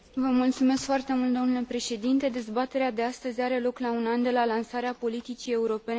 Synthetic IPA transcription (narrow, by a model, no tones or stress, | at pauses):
vəmult̪sume̞skfoart̪e̞mult̪d̪o̞nule̞pɾe̞ʃe̞d̪int̪e̞d̪e̞zbat̪e̞ɾead̪e̞ast̪əzʲaɾe̞lo̞klaunand̪e̞lalansaɾeapo̞lit̪it͡ʃie̞uɾo̞pe̞n